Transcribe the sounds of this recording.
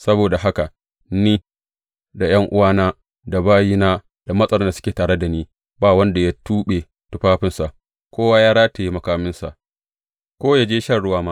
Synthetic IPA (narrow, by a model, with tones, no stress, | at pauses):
sɐ˦boː˨da˨ɦa˦ka˨ | niː˦ | da˨j̰ɐ˦ŋʔʊ˦waː˦naː˦ | da˨baː˦jiː˦naː˦ | d̥a˨mɐ˦sʼɐ˦ɽɔ˦nda˨sʊ˦kʲeː˨taː˨ɽe˦da˨niː˦ | baː˦˨wɐ˦nda˨ja˦tuː˦ɓe˨ | tʊ˦ɸaː˦ɸɪ˦nsa˨ʔ | kʷoː˦waː˦jaː˦ɾaː˦ta˨ji˦mɐ˨kaː˨mɪ˦nsa̰˨ʔ | kʷoː˦jaː˦d͡ʒeː˦ʃɐ˦ɽʊ˦waː˦maː˦